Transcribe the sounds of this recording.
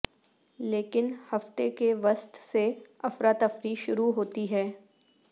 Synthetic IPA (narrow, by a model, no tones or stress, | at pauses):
leːkɪnhɐft̪ekeʋɐst̪seɐfɾaːt̪ɐfɾiʃʊɾuɦoːt̪iɦɛː